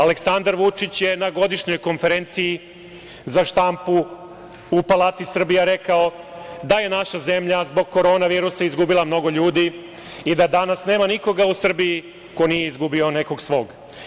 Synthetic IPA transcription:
ale̞ksand̪aɾʋut͡ʂit͡ɕje̞naɡo̞d̪iʃɲo̞jko̞nfe̞ɾe̞nt̪siji | zaʃt̪ampu | upalˠaːt̪isr̩bijaɾe̞kao̞d̪aje̞naʃaze̞mʎazbo̞ɡ̚kːo̞ɾo̞ːnaʋiːɾusaizɡubilˠamno̞ɡo̞ʎuːd̪i | id̪ad̪anasne̞ːmaniko̞ɡausr̩biji | ko̞nije̞izɡubio̞ne̞ko̞ɡsʋo̞ːɡ

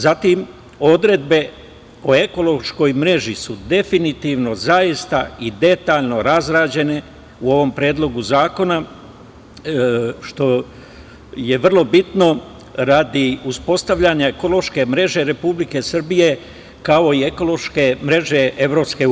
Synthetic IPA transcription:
zat̪im | o̞d̪ɾe̞d̪be̞ | o̞e̞ko̞lo̞ʃko̞jmɾe̞ʒisud̪e̞finit̪iʋno̞zajist̪aid̪e̞t̪aːʎno̞ɾazɾaːd͡ʑe̞ne̞ | uo̞ʋo̞mpɾe̞ːd̪lˠo̞ɡuzaːko̞na | ʃt̪o̞ | je̞ʋr̩lˠo̞bit̪no̞ | ɾad̪iuspo̞st̪aʋʎaɲaeko̞lo̞ʃke̞mɾe̞ʒe̞ɾe̞publike̞sr̩bije̞ | kao̞ie̞ko̞lo̞ʃke̞mɾe̞ʒe̞ʔe̞ʋɾo̞pske̞

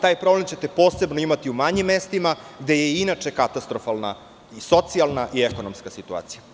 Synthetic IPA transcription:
t̪aːjpɾo̞blemt͡ɕe̞t̪e̞po̞ːse̞bnoimat̪iumaɲimːe̞st̪imaɡd̪e̞je̞inat͡ʂe̞kat̪ast̪ɾofalˠna | iso̞t̪sialˠnaʔieko̞nomskasit̪ua̰ːt̪sija

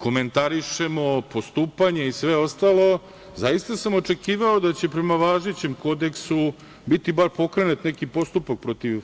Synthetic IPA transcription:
ko̞me̞nt̪aɾiʃe̞mo̞po̞st̪uːpaɲe̞isʋe̞o̞st̪aːlˠo̞ | zajist̪asamo̞t͡ʂe̞kiːʋao̞d̪at͡ɕe̞pɾe̞maʋaːʒet͡ɕemko̞d̪e̞ksu | bit̪ibaɾpo̞kɾenut̪nekipo̞st̪upak̚pɾo̞t̪iʋ

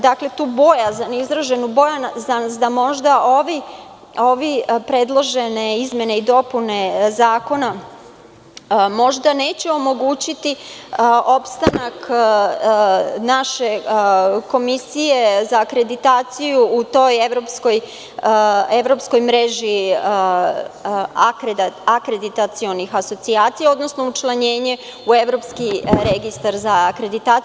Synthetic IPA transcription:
d̪akle̞t̪uːbo̞jazanizɾaʒe̞nubo̞janzansd̪amo̞ʒd̪aʔo̞ʋi | o̞ʋipɾe̞d̪lˠo̞ʒe̞ne̞izmje̞ne̞id̪o̞pune̞zaːko̞na | mo̞ʒd̪ane̞ːt͡ɕeo̞mo̞ɡuːt͡ɕit̪i | o̞pst̪anak | naʃe̞ | ko̞misije̞zaːkɾe̞d̪it̪aːt̪sijuːt̪o̞je̞ʋɾo̞pskoj | e̞ʋɾo̞psko̞jmɾe̞ʒi | kakɾed̪it̪at̪sio̞nixaso̞t̪siaːt̪sijao̞d̪no̞sno̞ut͡ʃlˠaɲe̞ːɲe̞ | ue̞ʋɾo̞pskiɾeɡist̪aɾzaːkɾe̞d̪it̪aː

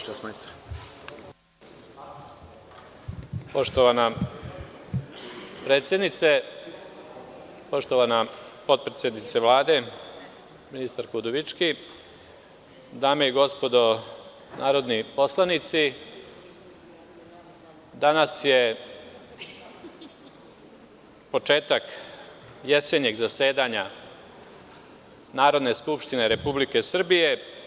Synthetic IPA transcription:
ʃesmast̪ | po̞ʃt̪oʋana | pɾet̪sjed̪nit̪se | po̞ʃt̪oʋanapo̞t̪̚pɾet̪sjed̪nit̪seʋlˠaːd̪e̞ | minist̪aɾkud̪oʋit͡ʃki | d̪aːmeiɡo̞spo̞d̪o̞ | nʔaːɾo̞d̪nipo̞slˠanit̪si | d̪anasje̞ | po̞t͡ʃe̞ːt̪ak | je̞se̞ɲeɡzase̞ːd̪aɲa | naːɾo̞d̪ne̞skupʃt̪ine̞ɾe̞publike̞sr̩bije̞

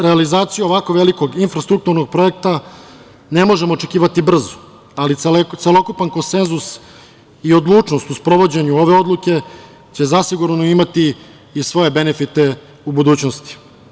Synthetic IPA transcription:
ɾealizaːt̪sijuoʋako̞ʋe̞liko̞ɡinfɾast̪ɾuk̚t̪uɾno̞ɡ̚pɾo̞e̞kt̪a | ne̞mo̞ʒe̞moːt͡ʃekʲiːʋat̪ibr̩zo̥ | alit̪selˠo̞kupanko̞nse̞nzus | io̞d̪lˠuːt͡ʂno̞st̪uspɾo̞ʋo̞d͡ʑeɲuo̞ʋe̞o̞d̪lˠuke̞ | t͡ɕe̞zasiɡuɾnoimat̪iː | sʋo̞je̞be̞nefit̪e̞ | ubud̪uːt͡ɕnost̪i̥

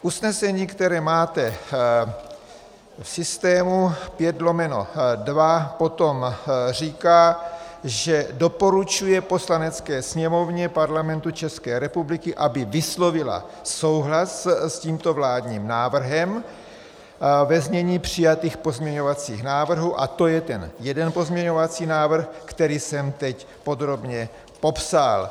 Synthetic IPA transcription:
ʔusnɛsɛɲiːkt̪ɛɾɛːmaːt̪ɛ | fsɪst̪ɛːmupjɛd̪lo̞mɛno̰dvapo̞t̪o̞mr̝iːkaːʒɛdo̞po̞ɾut͡ʃujɛpo̞slanɛt͡skɛːsɲɛmo̞vɲɛpaɾlamɛnt̪ut͡ʃɛskɛːɾɛpublɪkɪʔabɪvɪslo̞vɪla̰ | so̞wɦlassciːmt̪o̞vlaːd̪ɲiːmnaːvr̩ɦɛm | vɛzmɲɛɲiːpr̝̥ɪjat̪iːxpo̞zmɲɛɲo̞vat͡siːxnaːvr̩ɦuːʔa̰t̪o̞jɛt̪ɛnjɛdɛnpo̞zmɲɛɲo̞vat͡siːnaːvr̩xkt̪ɛɾiːsɛmt̪ɛc | po̞d̪ɾo̞bɲɛ | po̞psal

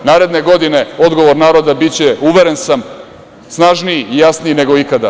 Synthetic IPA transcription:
naːɾe̞d̪ne̞ɡo̞d̪ine̞o̞d̪ɡo̞ʋo̞ɾnaːɾo̞d̪abit͡ɕe̞uʋeɾensam | snaʒniiijasniine̞ɡo̞ikad̪a

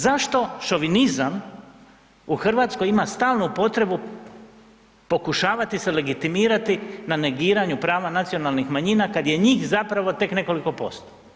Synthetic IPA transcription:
zaʃt̪o̞ʃo̞ʋinizam | uxr̩ʋaːt̪sko̞jimast̪aːlˠnupo̞t̪ɾe̞bu | po̞kuʃaːʋat̪isele̞ɡit̪imiːɾat̪inane̞ɡiːɾaɲupɾaːʋanat̪sio̞nalnixmaɲinakad̪je̞ɲiːxzapɾaʋo̞t̪e̞kne̞ko̞liko̞po̞̰st̪o̥

